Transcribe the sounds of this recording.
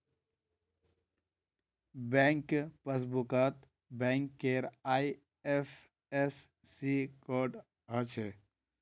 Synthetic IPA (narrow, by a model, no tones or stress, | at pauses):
bẽŋkpəs̬bukət̪ | bɛ̃ŋkːeɾaːi | epʰ | esː | ikoɖ | ɦət͡ʃʰe